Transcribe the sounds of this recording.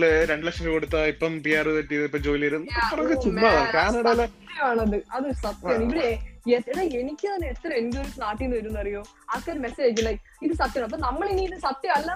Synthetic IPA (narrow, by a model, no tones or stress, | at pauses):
ɭɨɾe̞ɳɖɨlɐkʂɐmkoɽut̪ːaipːɐmpiaːrɨpɐʈːijɐðɐipːɐmd͡ʑoːilɐɾunːpurɐkːɨumːaːðaːɳkaːnɐɽɐlːɐɐt̪ːjɐmaːɳɐðɨɐðɨsɐt̪jjɐaːɳiʋiɽeeeðɐenikʲːɨɐnːet̪ːɐɾɐmenɡoɾukːnaːʈːijnːɨʋɐɾunːɐɐrijoː | ɐkːɐɾɨmeseːd͡ʑilɐ | iðɨsɐt̪ːjmaːɳɐpːoːnɐmːɐɭiniiðɨsɐt̪ːjɐmɐlːɐ